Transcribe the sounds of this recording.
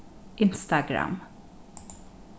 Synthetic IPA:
ʔɪnst̪aɡɾa̰m

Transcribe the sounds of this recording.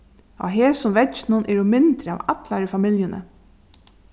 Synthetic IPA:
ɔ̰ɦeːsʊmvɛt͡ʃnʊnʔɛɾʊmɪnt̪ɾəa̰ːʋat̪laɾəfamɪljənʔə̰

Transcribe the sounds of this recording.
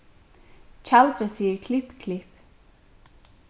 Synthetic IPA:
t͡ʃʰalt̪ɾəsikʰlɪpkʰlɪp

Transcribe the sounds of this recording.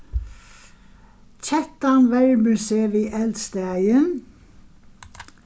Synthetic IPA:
t͡ʃʰɛt̪ɑnʋæɹmʉseːʋiːʔɛld̪st̪əæɪən

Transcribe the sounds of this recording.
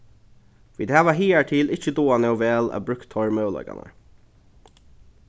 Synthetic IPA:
fiːd̪hæːʋaɦiːæʈʰiːlɪt͡ɕəd̪oːanɛʊʋɛːlæ̰ːbɾʉkt̪ʰːɔɹmœːlɔ̰ka̰nə̰ɹ

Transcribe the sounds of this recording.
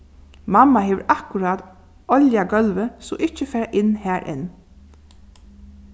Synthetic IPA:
mɑmɑheːʋəɹʔɑkʉɹɑːd̪ | ɔljaɡœlʋəso̰ːʔɪcəfæːɹaʔɪnhæːɹʔɪ̰n

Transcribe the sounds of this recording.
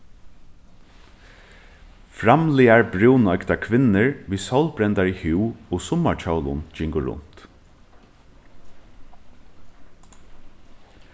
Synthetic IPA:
fɾamliaɹbɾuwnɔjkt̪akʰʋɪnɪɹʋiːsawlbɾɛnt̪aɹihuːoːsʊmat͡ʃʰawlʊ̰nd͡ʒɪŋkʊɾʊ̰n̥t̪

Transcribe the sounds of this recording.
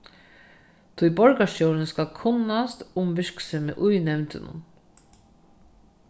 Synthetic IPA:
t̪ʰujbɔɹkaʃowɾɪnskalkʰʊnːast̪ʊmʋɪɹksɛmɪ̰ʔujnɛvnt̪ɪ̰nʊ̰n

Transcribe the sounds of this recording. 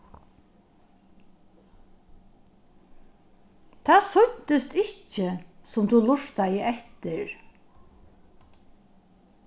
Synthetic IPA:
t̪ʰaːsʊɲt̪ɪst̪ɪht͡ʃːɪsʊmt̪ʰulʊʂt̪ajəʔɛht̪ɪɹ

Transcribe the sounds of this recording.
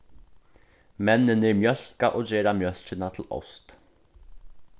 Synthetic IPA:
mɛnːɪnɛɹmjœl̥kaʔɔːɣd͡ʑɛːɾamjœl̥t͡ɕɪnat̪ʰɪlɔ̰wst̪

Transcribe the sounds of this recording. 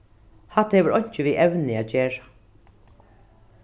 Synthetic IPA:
hat̪hɛːʋəɾɔjɲ̥t͡ʃɪʋiːʔɛwnɪæːd͡ʒeːɹḁ

